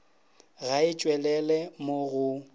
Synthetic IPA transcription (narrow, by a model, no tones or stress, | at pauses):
ɣaɪt͡ʃʼwɛlɛlɛmoɣʊ